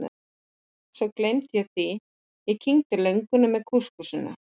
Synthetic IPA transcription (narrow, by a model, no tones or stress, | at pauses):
sɔwklejmt̪jɛɣθi | icʰiŋt̪ɪlœɥŋkʏnʏmːɛðkʰuskusɪnːa̰